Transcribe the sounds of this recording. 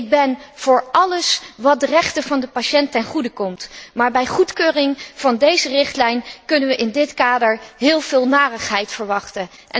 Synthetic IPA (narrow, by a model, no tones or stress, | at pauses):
ɪɡ̚bɛnv̥ʊːɹʔɑləsʋɑt̚dərɛχtəvɑndəpaʃɛntɛnχudəkɔmtmaːɹbɛjχutkøːrɪŋv̥ɑndejzərɪχtlɛjnkɵnənʋəʔɪndɪtkaːdəɹɦɪːlˠvɪːlˠnaːrəχɦɛjtfəɹʋɑχtən | ʔɛ